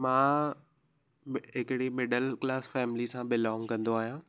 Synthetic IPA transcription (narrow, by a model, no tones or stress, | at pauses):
mãː | ɦɪkɪɽimɪɖəlklaːsfɛːmɪlisãbɪlɔ̃ːŋkɐ̃nd̪oaːɦijãː